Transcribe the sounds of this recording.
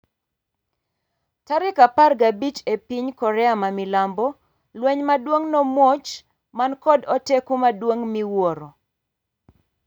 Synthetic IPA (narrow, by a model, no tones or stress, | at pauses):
taɾɪkaparɡabit͡ʃepiɲkɔɾɛamamilambɔ | lwɛɲmadwoŋnɔmwot͡ʃ | mankɔdɔtekumadwoŋmiwɔɾɔ